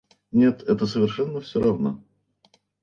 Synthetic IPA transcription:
nʲe̞t̪ɛt̪əsəvʲɪrʂɛnːəfsʲoɾʔɐvno̰

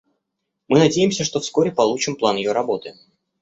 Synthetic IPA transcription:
mɨnɐdʲejɪmsʲəʂt̪o̞fsko̞ɾʲɪpɐlˠut͡ɕɪmplˠanjɪjo̞ɾɐbo̞t̪ɨ

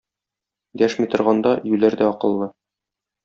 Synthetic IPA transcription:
d̪æʃmit̪ŏɾʁɑnd̪ɑjʉlæɾd̪æɒqɤ̆lˠːɤ

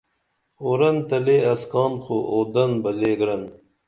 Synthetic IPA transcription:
oɾɐnt̪ɐleːɐskɑːnxoʔoːd̪ɐnbɐleːɡɾɐn

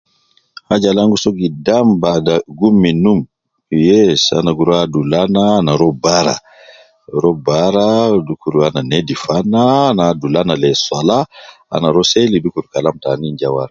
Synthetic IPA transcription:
had͡ʒalaŋɡusɔɡidambadaɡumːinum | jɛsa̰naɡuɾɔadulanaːnaɾɔbaɾa̰ | ɾɔbaɾadukuɾuananedifanːaːnaadulanalɛsɔla | a̰naɾɔselidukuɾkalamtaniɲd͡ʒawa̰ɾa

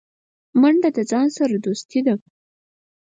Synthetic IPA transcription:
maɳɖad̪əd͡zɑnsaɾad̪ust̪id̪a

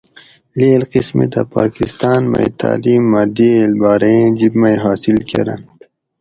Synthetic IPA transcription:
leːlqismḭt̪apaːkist̪aːnmɐ̰ḭt̪ʰa̰ːliːmːaːd̪ilbaːɾeẽd͡ʑibmɐjɦaːsilkḛɾɐ̰n

